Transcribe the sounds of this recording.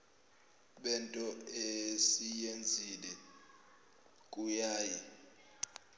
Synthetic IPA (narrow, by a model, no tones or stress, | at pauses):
ɓɛntʼɔesijend͡zʱilɛ | kʼujaːjɛ